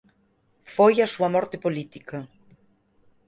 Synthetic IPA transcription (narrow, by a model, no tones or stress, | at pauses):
fojasuamɔɾt̪epolit̪ika